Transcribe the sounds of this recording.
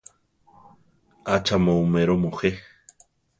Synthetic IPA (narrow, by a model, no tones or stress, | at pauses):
at͡ʃamõumeɾomoxe